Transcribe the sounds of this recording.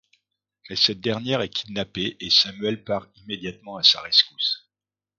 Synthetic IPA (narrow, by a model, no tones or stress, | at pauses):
mɛsɛt̪̚d̪ɛʁnjɛʁɛkʲi̥d̪napeʔesamɥɛlpaʁimed̪jat̪mɑ̃asa̰ʁɛskus